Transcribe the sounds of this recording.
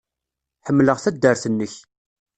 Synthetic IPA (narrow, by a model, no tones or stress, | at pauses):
ħəmːləʁθæd̪ːəɾθənːəç